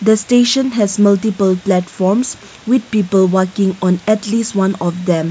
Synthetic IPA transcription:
d̪əsteʃə̃nɦɛsmaltipəlplɛtfɔms | wid̪̚piːpəlwəkɪ̃ŋɔ̃nɛtlistwãnɔfdɛ̃m

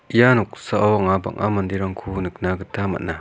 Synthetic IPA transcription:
ijanuk̚saawaŋaba̰ŋʔamɐndiɾaŋkʰunɯk̚naɡɯtamɐ̰na

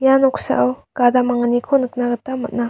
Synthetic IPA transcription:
janɔksa̰ʔawɡ̥adamaŋnikʰonɯk̚naɡɯtamɐt̚na

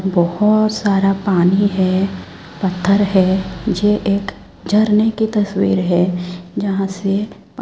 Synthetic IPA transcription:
bɔhʊt̪saːɾapaːniɦɛ | pɐt̪ʰːəɾɦɛːjeʔeːk | d͡ʒʱɐɾnekit̪ɐswḭːɾɦɛːd͡ʒɐɦãse | p

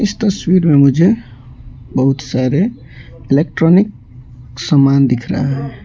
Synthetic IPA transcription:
ist̪əswiɾmemud͡ʒʱe | bəɦut̪saɾe | ilek̚ʈɾonik̚ | səmːand̪ikʰɾa̰ɦɛ

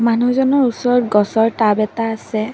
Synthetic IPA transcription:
manuzɔnɔɹusɔɹɔt̚ɡɔsɔɹtabɛtaːsɛ

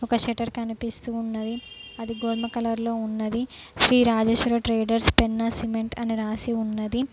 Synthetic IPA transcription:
ɔkɐʃeʈɐɾkɐnipist̪uːunːɐd̪iɐd̪iɡoːd̪mɐkɐlɐɾlo̞ːunːɐd̪iʃɾiːɾaːd͡ʒeːʃuɾɐʈɾeːɖɐɾspenːɐsimeɳʈɐniɾaːsiunːɐd̪i

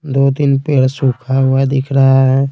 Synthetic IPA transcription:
d̪oːt̪inpeːɽsukʰaɦʊad̪ɪkʰɾaɦaɦɛ

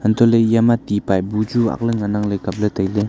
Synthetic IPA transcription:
ənt̪olejamat̪ipabut͡ɕua̰χləŋənaŋlekap̚lət̪əjle

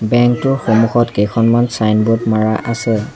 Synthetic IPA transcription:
bɛŋk̚tʊɹxomuxɔtkejkʰɔnmansajnbɔtmaɹaʔasɛ

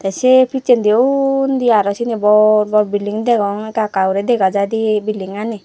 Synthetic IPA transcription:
t̪asepʰit͡ʃend̪ewnd̪iaɾɔsinibɔɾbɔɾbiliŋd̪ɛɡɔŋkakawɾɛd̪ɛɡad͡ʒad̪ibiliŋani

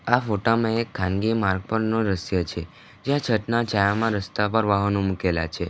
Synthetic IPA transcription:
afoʈamãekʰːãnɡimaɾɡ̚pəɾnõɾəsjət͡ʃʰe | d͡ʒjãt͡ʃʰəʈnat͡ʃajamãɾəst̪apəɾʋaɦənũmukela̰t͡ʃʰe

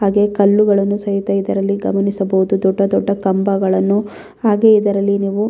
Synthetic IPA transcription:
ɦaːɡe̞kɐlːuɡɐɭɐnːusɐɦit̪ɐjid̪ɐɾɐlːiɡɐmɐnisɐbɐɦud̪ud̪ɔɖːɐd̪ɔɖːɐkɐmbɐɡɐɭɐnːu | aːɡe̞id̪ɐɾɐlːiniːʋu

